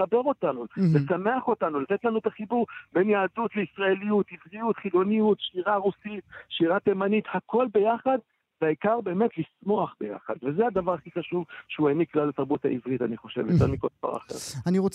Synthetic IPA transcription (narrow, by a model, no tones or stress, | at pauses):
abe̞ʁo̞t̪anulesame̞aχo̞tanulat̪et̪lanuet̪aχibuʁbe̞njaːdut̪leisʁae̞lijut̪ivʁijutχilo̞nijut̪ʃiʁaʁusit̪ʃiʁat̪emanit̪hakʰo̞lbe̞jaχad | veaikaʁbe̞ːme̞t̪lismo̞aχbe̞̰ja̰χa̰d̪vezead̪avaʁaχiχaʃuvʃeueniklalat̪aʁbut̪ha̰ivʁitaniχo̞ʃe̞̰vjoteʁmikova̰ʁa̰χḛʁaniʁo